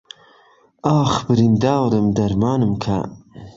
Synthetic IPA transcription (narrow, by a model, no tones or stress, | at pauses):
ɑːxbəɾind̪ɑːwɾəmd̪ɐɾmɑːnəmkʰa̰